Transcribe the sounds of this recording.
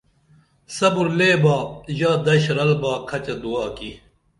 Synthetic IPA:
sɐbuɾleːbaːʑaːd̪ɐɕɾɐlbaːkʰɐt͡ɕɐd̪uaːki

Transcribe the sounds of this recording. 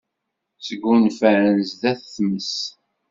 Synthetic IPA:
səɡːunfæɾənzðæθθməs

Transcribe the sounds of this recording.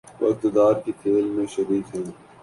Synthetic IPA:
ʋɐ̰kt̪d̪aːɾkit̪ʰeːlmẽʃɐɾiːt̪ɦɛn

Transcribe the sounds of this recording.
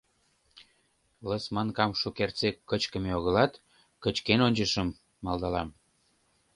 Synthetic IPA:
ləsmɑnkɑmʃukert͡sekːət͡ɕkə̆meoɣəlɑt̪ | kət͡ɕkenonʲt͡ɕəʃəmː | ɑlˠd̪ɑlɑm

